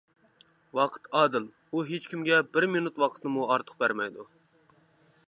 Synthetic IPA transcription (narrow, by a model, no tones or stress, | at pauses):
wɑqʰə̥t̪ɑːd̪ɨl | uɦet͡ʃʲkʲimɡʲɛbɪɾminut̪wɑqʰət̪nɨmuɑɾt̪ʰə̥χ̚bæɾmɛjd̪u